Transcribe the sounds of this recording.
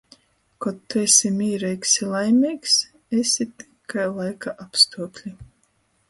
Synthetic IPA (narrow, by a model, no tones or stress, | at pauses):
kɔt̪ːuesʲimiːɾɛjksilˠajmʲiːks | esʲit̪i̥kʰːajlˠajkaʔapst̪uɔklʲi